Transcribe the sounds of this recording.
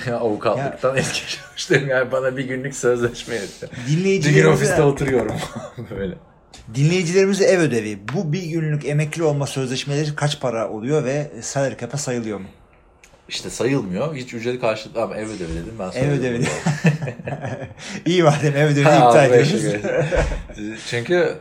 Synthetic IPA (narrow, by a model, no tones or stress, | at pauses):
jaavukʰaljˠːɯk̚t̪ʰanɛt̪cʰit͡ʃʰelˠʃt̪ɯɾmjaːnibanabiɟynlʲycsø̞zlʲɛʃmɛjed̪ɛd̪inlʲe̞jid͡ʒiiynofisɛot̪ʰuɾujo̞ɾumøjlʲɛ | d̪inlʲe̞jid͡ʒilʲe̞ɾimizɛvø̞d̪e̞vibbubiɟynlʲyce̞mɛclʲio̞lˠmasø̞zlʲɛʃmelʲeɾikʰat͡ʃpʰaɾaʔo̞̰lˠujo̞vɛsalɾkʰapʰasajɯlˠɯjo̞mu | iʃt̪ʰɛsajɯlˠmɯjo̞hit͡ʃyd͡ʒelikʰaɾʃɯlˠɯamaɛvød̪evid̪e̞d̪imbænsɛvød̪evid̪ | ijivaɾd̪imɛvød̪eiiaːjed̪ioɛ | t͡ʃʰyɲcʰy